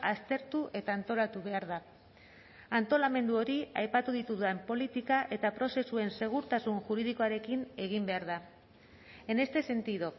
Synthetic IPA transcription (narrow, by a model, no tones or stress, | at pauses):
ast̪e̞ɾt̪uʔe̞t̪aːnt̪o̞lat̪uβe̞aɾða | ant̪o̞lame̞nd̪uo̞ɾiajpat̪uðit̪uðuempo̞lit̪ikaʔe̞t̪apɾo̞se̞sue̞nse̞ɣ̞uɾt̪asunʝuɾið̞iko̞aɾe̞kine̞ɣ̞imbe̞aɾða | e̞ne̞st̪e̞se̞nt̪iðo